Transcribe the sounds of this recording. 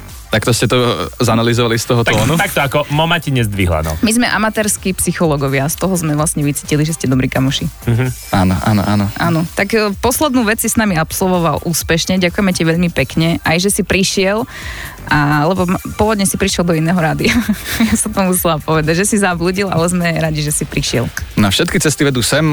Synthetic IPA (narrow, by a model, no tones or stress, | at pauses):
t̪akt̪ɔscɛt̪ɔzanalizɔʋalist̪ɔɦɔt̪ɔːnut̪ak̚t̪ɔakɔmɔmaciɲɛzd̪ʋḭɦla̰nɔ̰mizmɛʔa̰mat̪ɛːɾskipsixɔlɔɡɔʋɪast̪ɔɦɔzmɛʋlasɲɛʋit͡siːciliʒɛscɛd̪ɔbɾiːkamuʃiaːnɔ̰ʔa̰ːnɔ̰ʔa̰ːnɔʔaːnɔt̪akːpɔslɛd̪nuːʋɛt͡ssisnamiapsɔlʋɔʋalʔuːspɛʃɲɛɟakʊjɛmɛciʋɛʎmipɛkɲɛʔajʒɛsipɾiʃɪɛl | ʔalɛbɔpɔʋɔd̪ɲɛsipɾiʃɪɛlˠd̪ɔinɛːɦɔɾaːd̪iajasɔmt̪ɔmusɛlapɔʋɛd̪aɟʒɛsizabluːɟilʔa̰lɛzmɛɾaɟiʒɛsipɾiʃɪɛ̰lnafʃɛt̪̚kit͡sɛst̪iʋɛd̪uːsɛm